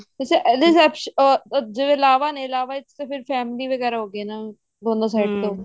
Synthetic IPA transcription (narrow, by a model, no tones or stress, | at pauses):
seʔd̪ɪsɛːpʃɔːd͡ʒeʋẽɪlaːʋaːnẽːɪlaːʋaːɪt̪ːt̪epʰɪɾfʰɛːmliːʋəɡɛːɾaːɦoːɡeːnaː | d̪oːnd̪aːsaɪʈ̚t̪oː